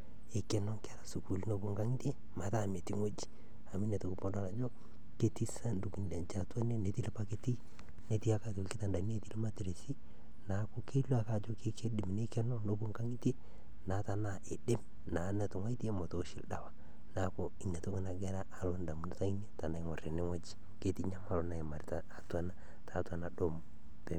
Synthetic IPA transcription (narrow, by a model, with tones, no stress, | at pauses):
ɪ˨kɛ˦nɔ˦ŋkɛ˦ɾa˨su˨ku˨lno˦bu˦ŋɡa˦ŋi˦ti˦e˦ | ma˨˦ta˦˨me˨ti˦ŋo˦d͡ʒi̥˦ | a˨mi˦ne˨to˨ku˨po˦da˨la˨d͡ʒo˦ | ke˦ti˦sa˦ndu˨ki˨nde˨nt͡ʃa˨ta˦ne˦ne˨ti˦lpa˦ke˦ti˦ | ne˨˦ti˦a˦ka˦to˨lkɪ˦ta˨nda˨˦ne˦ti˦lma˦ti˨ɾe˨si˦ | na˨ko˦ke˦lu˦a˨ka˦˨d͡ʒo˦ke˦ke˦di˨m˨ne˦kɛ˦nɔ˦no˦bu˦ŋka˦ŋi˦te˦ | na˨˦ta˨na˨ʔe˨dɪ˦m | na˨˦nɛ˨tʊ˨ŋa˦i˦ti˦e˦mɔ˨to˨˦ʃi˨lda˨wa˦ | na˨ko˦i˨ɲa˨to˦ki˦na˨ɡɛ˦ɾa˦ʔːlo˦nda˨mu˨na˦ta˦i˦n˦e˦ta˨nda˨˦ŋɔ˨re˨ne˦ŋɔ˦d͡ʒi̥˦ | ke˦ti˦ɲa˦ma˨lo˦na˨e˨ma˨ɾitaː˨twa˦na | tʰa˨tu˦a˨na˨ɗo˨m | pɛ˨